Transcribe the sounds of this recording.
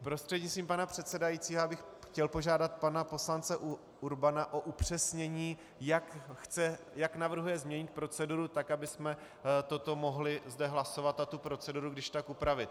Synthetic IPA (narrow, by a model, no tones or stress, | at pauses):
pɾo̞st̪r̥ɛdɲɪst̪ɾiːmpanapr̝̥ɛt̪sɛdajit͡siːɦoabɪxxcɛlpo̞ʒaːdat̪̚panapo̞slant͡sɛʔ | uɾbanaʔo̞ʔupr̝̥ɛsɲɛɲiː | jakxt͡sɛ | jaknavr̩ɦujɛzmɲɛɲɪt̪̚pɾo̞t͡sɛduɾut̪akabɪsmɛ | t̪o̞t̪o̞mo̞ɦlɪzdɛɦlaso̞vat̪nat̪upɾo̞t͡sɛduɾuɡdɪʃt̪akupɾavɪt̪